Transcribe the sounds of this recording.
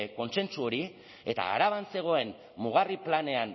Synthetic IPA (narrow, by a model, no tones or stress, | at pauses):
ko̞nse̞nt͡suo̞ɾi | e̞t̪a̰ːɾaβanse̞ɣ̞o̞e̞m | muɣ̞ariplane̞an